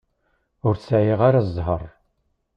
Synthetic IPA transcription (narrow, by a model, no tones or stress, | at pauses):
ʊɾsʕjɪʁaɾazˤːɦərˤ